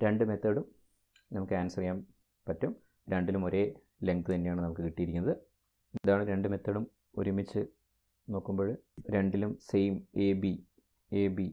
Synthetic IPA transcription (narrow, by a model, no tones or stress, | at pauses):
ɾe̞ɳɖume̞t̪ːɐɽum | nɐmukːɨaːnsɐrɐjaːm | pɐtːum | ɾe̞ɳɖilumo̞ɾe̞ː | le̞ŋkɨt̪ɐnːe̞jaːɳɨnɐmukːɨkiʈːijiɾikʲːunːɐðɨ | ðaːɳɨɾe̞ɳɖume̞t̪ːɐːɽum | o̰ɾumit͡ɕːɨ | no̞ːkːumboːɭɾe̞ɳɖilumsejmeːbi | eːbi